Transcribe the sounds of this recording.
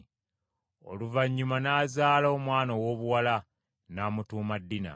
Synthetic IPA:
o̞̰luvaɲːumanaːzaːlaomwaːnowo̞ːβuwala | naːmutuːmadːina̰

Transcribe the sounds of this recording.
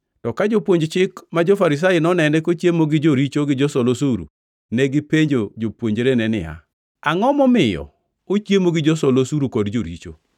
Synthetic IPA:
tɔkad͡ʒopwoɲd͡ʒt͡ʃɪkmad͡ʒofaɾɪs̬ajɪnɔnɛnɛkot͡ʃjemoɡɪd͡ʒoɾit͡ʃoɡɪd͡ʒɔsolosuɾṵ | nɛɡɪpeɲd͡ʒod͡ʒopwoɲd͡ʒɾenɛnɪ̰a̰ | aŋɔmɔmɪjɔ̰ | ot͡ʃjemoɡɪd͡ʒɔsolosuɾukɔdd͡ʒoɾḭt͡ʃo̰

